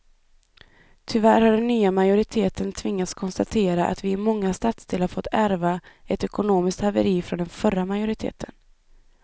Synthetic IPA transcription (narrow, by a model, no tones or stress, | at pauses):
t̪ʰʏvæɾhaɖɛnːyːamajʊɾɪt̪ʰeːt̪ʰənt̪ʰvɪŋːat̪skʰɔnst̪at̪ʰeːɾaʔa̰t̪vɪːmɔŋːast̪at̪sd̪eːlaɾfɔt̪ːæɾvaɛt̪ɛkʊnoːmɪskt̪havə̰ɾiːfɾɔnd̪ɛnfœɾamajʊɾɪt̪ʰḛːt̪ʰən